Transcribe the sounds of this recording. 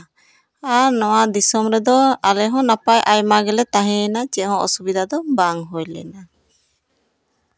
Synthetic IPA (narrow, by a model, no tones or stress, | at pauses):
aɾnɔwaʔd̪isɔmɾɛd̪ɔalɛɦɔ̃napajʔajmaɡɛlɛt̪aɦɛ̃nat͡ʃɛɦɔ̃ʔɔ̰subid̪ad̪ɔbaŋɦojlɛ̰na